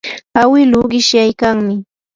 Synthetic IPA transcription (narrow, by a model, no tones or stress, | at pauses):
awɪlʊɢɪʃjajkaŋmɪ